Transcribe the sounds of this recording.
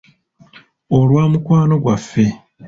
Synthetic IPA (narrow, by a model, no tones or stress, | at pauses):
olwaːmukwaːno̞ɡwafːe̞